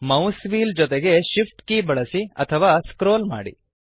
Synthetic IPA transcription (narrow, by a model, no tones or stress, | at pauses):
mɐwsʋiːld͡ʒɔt̪eɡe̞ʃifʰʈkibɐɭɐsiɐ̰t̪ʰɐʋaːskɾoːlma̰ːɽḭ